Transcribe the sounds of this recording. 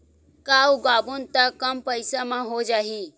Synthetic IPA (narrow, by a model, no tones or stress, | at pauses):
kaːuɡaːbunt̪akɐmpɐɪsamãɦod͡ʒaːɦiː